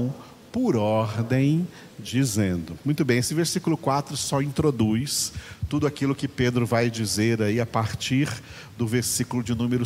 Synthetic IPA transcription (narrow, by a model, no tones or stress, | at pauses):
w̃ | pʊɾɔɾd̪ẽj̃ | d͡ʒizẽnd̪ʊmũj̃t̪ʊbẽj̃esɪveɾsikulʊkwat̪ɾʊsɔĩnt̪ɾod̪ujst̪ud̪ʊakilʊkɪped̪ɾʊvajd͡ʒizeɾaiapaɾt͡ʃiɾ | d̪ʊveɾsikʊlʊd͡ʒɪnũmeɾʊ